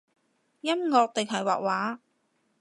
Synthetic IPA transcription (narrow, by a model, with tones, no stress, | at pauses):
jɐ˥mŋɔː˧k̚t̪ɪ˨ŋɦɐ˨˩jwa̰ː˨k̚waː˨˥